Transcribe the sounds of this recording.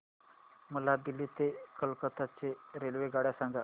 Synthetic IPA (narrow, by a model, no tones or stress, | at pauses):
məlad̪iliːt̪ekəlkət̪at͡seɾelʋeɡaɽjasãŋɡa